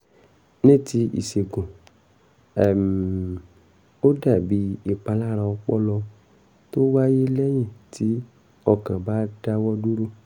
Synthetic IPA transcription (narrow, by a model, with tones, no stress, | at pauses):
nẽ˦˨ti˧˦ḭ˨se˨ɡõ˨ | ɛ˨m˨ | o˦da˦˨bi˨˦e˦˨k͡pa˧la˦˨ɾa˧wɔ˧k͡pɔ˦lɔ˧ | to˦wa˦je˦lɛ˦j̃ĩ˦˨ti˨˦ | ɔ˦˨kã˨ba˦da˦wɔ˦du˦ɾo˦